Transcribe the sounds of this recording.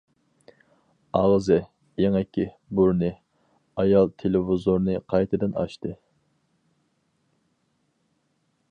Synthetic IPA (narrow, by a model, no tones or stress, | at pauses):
ɑʁzɨɪ | jeŋɛkʲʰːi | buɾnɨ | ɑjɑlˠt̪ʰelɪvɪzoɾnɨqʰɑjt̪ʰɨd̪ɨnɑ̰ʃt̪ɨ